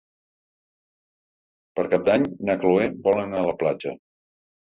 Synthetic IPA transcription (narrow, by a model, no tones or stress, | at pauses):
pəɾkap̚d̪aɲnakluebɔlənaələplad͡ʒə̰